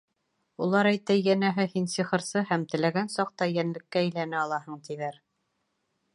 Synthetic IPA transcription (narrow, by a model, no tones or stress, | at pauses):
ulˠɑɾæjt̪æjænæɦɘhinsiχɤ̆ɾsɤhæmt̪ɘ̆læɡænsɑq̚t̪ɑjænlɘ̆kːæːjlænɘɑlˠɑhɤɴt̪iðæɾ